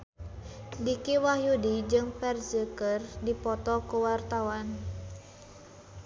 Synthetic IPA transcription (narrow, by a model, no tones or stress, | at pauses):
dikiwahjudid͡ʒɨŋpɛrzəkərdipɔt̪ɔkuwart̪awan